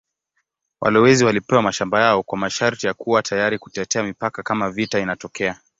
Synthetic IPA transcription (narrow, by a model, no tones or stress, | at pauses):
wʔa̰lɛwɛziwalipɛwamaʃambajaɔkwamaʃaɾtijakuwatʰajaɾiku̥tɛtɛamipakakamavitainatɔkɛa